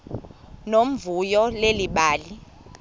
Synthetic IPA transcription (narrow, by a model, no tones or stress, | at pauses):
nom̩vujɔleliɓaːli